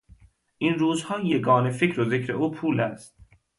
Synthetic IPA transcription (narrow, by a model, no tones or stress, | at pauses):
ʔinɾuːzhɒːjeɡɒːnefecɾozekɾeʔuːpʰuːlæːst̪̚